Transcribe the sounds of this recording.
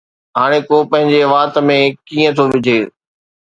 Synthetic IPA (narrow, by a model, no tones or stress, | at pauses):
ɦaːɽ̃ekoːpɐ̃ɦɪ̃ɲd͡ʑeʋaːt̪mẽkiːə̃t̪ʰoʋɪd͡ʑʱeː